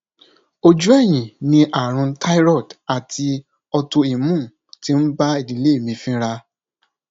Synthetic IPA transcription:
o˧d͡ʒu˦ɛ˦˨j̃ĩ˨nĩ˧ʔa˨ɾ̃ũ˧tʰa˦i˦ɾɔ˦˨da˨tʰi˧ | ɔ˧to˧i˨mũ˦˨ | ti˦n̩˦ba˦i˦˨dĩ˨˦le˦˨mĩ˧˦fĩ˦ɾa˧

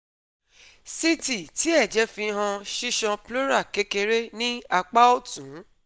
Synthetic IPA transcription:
si˦ti˨ti˨˦ɛ˦˨d͡ʒɛ˨˦fĩ˧ɦã˧ʃi˦ʃɔ̃˧plo˦ɾa˦˨ke˨˦ke˧ɾe˦nĩ˦a˧k͡pa˦o˦˨tũ˨˦

